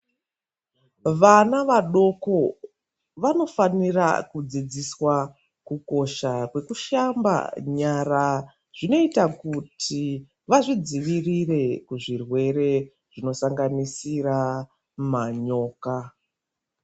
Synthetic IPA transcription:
ʋanaʋaɗo̞ko̞ | ʋano̞fanira̰kud͡zid͡ziswa | kuko̞ʃakwe̞kuʃamba̰ɲara | ʐ̥ino̞itakutʰi | ʋaʐid͡ziʋirire̞kuʐirwe̞ɾe̞ | ʐ̥ino̞saŋɡanisira | maɲo̞ːka

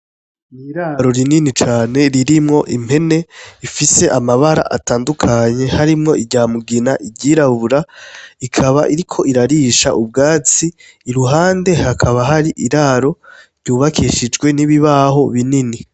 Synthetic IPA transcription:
niɾaɾo̞ɾininit͡ʃaːne̞ɾiɾimŋo̞ʔim̥e̞ne̞ifise̞ʔamaβaɾa̰ʔa̰taːndukʰaɲe̞haɾimŋo̞ʔiɟaːmuɡinaʔiɟiːɾaβuɾaikʰaβaʔiɾikʰo̞ʔiɾaɾiːʃa̰ʔubɡaːt͡siː | ɾuɦaːnde̞hakʰaβaɦaɾiʔiɾaɾo̞ɾɟuːβakʰiʃid͡ʒɡwe̞niβiβaɦo̞βinini

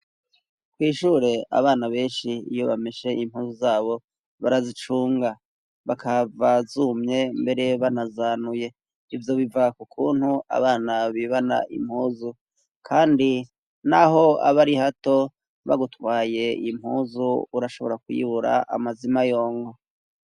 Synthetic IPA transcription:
kwiːʃuːɾe̞a̰βaːnaβe̞ːnʃiijo̞βameʃe̞ʔim̥huːzuzaːβo̞ | βaɾazit͡ʃuːŋɡa | βakʰavazumɲe̞mbe̞ɾe̞βanazanuje̞ | ivjo̞βivakukʰuːnhua̰βaːnaβiβana̰ʔḭm̥huːzu | kʰaːndi | naɦo̞a̰βaɾihato̞ | βa̰ɡutwaːje̞im̥huːzuuɾaʃo̞βo̞ɾakujḭβuɾa̰ʔa̰mazimajo̞ːŋɡo̞

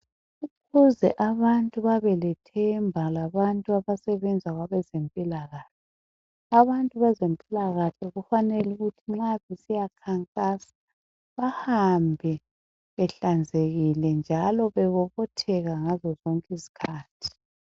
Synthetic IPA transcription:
ukʰuzɛʔaβantʼuβaβɛlɛtʰɛmbʱalaβantʼuaβasɛβɛnd͡zʱaɣwaβɛzempʼilaɣaːɬɛ | aβantʼuβazempʼilaɣaɬɛɣufanɛluɣutʰiŋ͡ǁaβesijakʰaŋkʼasḁ | βahambʱɛ | βɛɬand͡zʱeɣilɛnd͡ʒʱalɔβɛβɔβɔtʰɛɣaŋazɔzɔŋkʼizi̥kʰaːtʰi̥

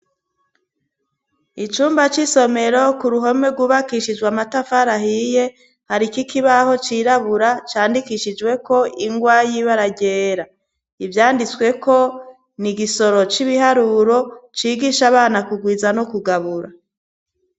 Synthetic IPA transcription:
it͡ʃuːmbat͡ʃiso̞me̞ɾo̞kuɾuɦo̞meɡwuːβakiʃid͡ʒɡwamatafaɾahije̞ | haɾikikʰiβaho̞t͡ʃiɾaβuɾat͡ʃaːndikiʃid͡ʒwe̞ko̞iŋɡwajiβaɾaɟeːɾa | ivjaːndit͡swe̞ko̞ | niɡiso̞ɾo̞t͡ʃiβihaɾuɾo̞t͡ʃiːɡiʃaβaːnakuɡwiːzanokuɡaβuɾa

